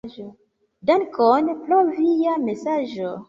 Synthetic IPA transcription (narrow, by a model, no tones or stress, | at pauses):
ʒo | dankonplovijamesaʒo